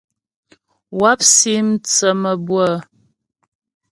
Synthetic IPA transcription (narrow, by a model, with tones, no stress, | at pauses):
wa˦pʰsi˦mt͡sɐ˦mɐbwɐ˦